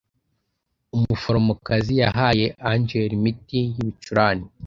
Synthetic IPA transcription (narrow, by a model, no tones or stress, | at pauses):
umufoɾomokazijaɦaːje̞ʔaɲd͡ʒeɾimitijiβit͡ʃuɾaːni